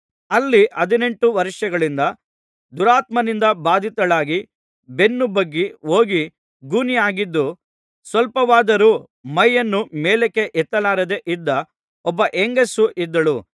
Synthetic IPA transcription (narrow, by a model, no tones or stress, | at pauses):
ɐlːiʔɐd̪ine̞ɳʈuʋɐɾʂjɐɡɐɭind̪ɐ | d̪uɾaːt̪mɐnind̪ɐbaːd̪ʱit̪ɐɭaːɡi | be̞nːubɐɡːio̞ːɡi | ɡuːnijaːɡid̪ːu | sʋɐlpɐʋaːd̪ɐɾu | mɐjːɐnːumeːlekːe̞ʔɛt̪ːɐlaːɾɐd̪eʔid̪ːɐ | ɔbːɐʔeŋɡɐsuʔid̪ːɐɭu